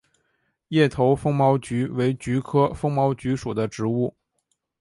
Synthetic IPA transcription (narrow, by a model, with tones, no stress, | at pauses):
jɛ˥˩t̪ʰo˧˥ʊfɤ˥ŋmɑ˧˥ʊt͡ɕy˧˥we˧˥ɪt͡ɕy˧˥kʰɤ˥fɤ˥ŋmɑ˧˥ʊt͡ɕy˧˥ʂu˨˩d̪ə˦ʈ͡ʂɻ̩˧˥u˥˩